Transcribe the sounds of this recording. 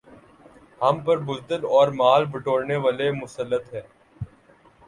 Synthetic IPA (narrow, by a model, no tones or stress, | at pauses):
hɐmpəɾbʊzd̪əlɔːɾmaːlbəʈoːɽneʋaːlemʊsəlːət̪ɦɛː